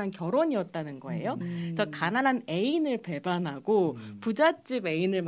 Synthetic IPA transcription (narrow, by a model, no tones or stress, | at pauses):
ankjʌɾoɲiʌt̚t͈anɯnɡʌe̞̰josʰʌkananɦane̞inɯɭpe̞banɦaɡopud͡ʑat͡ɕ͈ibe̞inɯɭm